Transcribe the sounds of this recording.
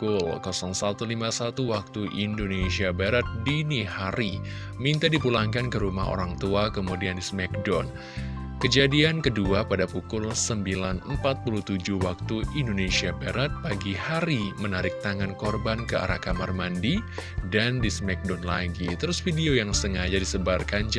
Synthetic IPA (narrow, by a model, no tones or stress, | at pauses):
kʊlkɔsɔŋsat̪ulimasat̪uwak̚t̪uʔindonesiabaɾat̪̚dinihaɾi | mint̪adipulaŋkankəɾuma̰ɦo̰ɾaŋt̪uakəmudiandismɛk̚dɔn | kəd͡ʒadiankəduapadapukʊlsəmbilanəmpat̪̚pulut̪ud͡ʒuhwak̚t̪uindonesiabaɾat̪̚paɡihaɾimənaɾɪk̚t̪aŋankɔrbankəa̰ɾakamarmandidandismɛk̚dɔnla̰ɡit̪əɾʊsfidiojaŋsəŋad͡ʒadisəbarkand͡ʒ